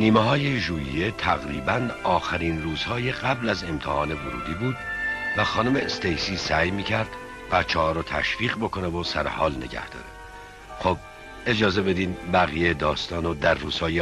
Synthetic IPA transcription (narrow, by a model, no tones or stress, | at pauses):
niːmeɦɒːjeʒuːjḭje̞t̪ʰæɣɾḭːbænɒːxæɾiːnruːz̥hɒːjeɢæblæze̞mt̪ʰḛhɒːne̞voɾṵːd̪iːbuːd̪væxɒːnome̞st̪ejsiːsæjmiːcʰæɾd̪̥ | bæt̪t͡ʃʰːɛhɒːɾɔːt̪ʰæ̰ʃviːɣbokʰo̞nevosæɾḛhɒːlne̞̰ɟæ̰hd̪̥ɒ̰ːɾe | xob̚ | e̞d͡ʒɒːze̞be̞d̪iːdbæɣijed̪ɒːst̪ɒːnod̪æɾːuːz̥hɒːje